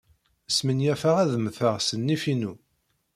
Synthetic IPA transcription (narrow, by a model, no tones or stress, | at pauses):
əsmənjæfəʁæðmθəʁsənːifinu